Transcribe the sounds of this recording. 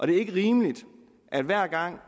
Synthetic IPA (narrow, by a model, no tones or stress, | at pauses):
ʔɒ̽d̥e̝æɐe̝ɡ̥əʁiːmlid̥ | ʔæd̥ʋæɐ̰ɡ̥ɑ̈ŋ̰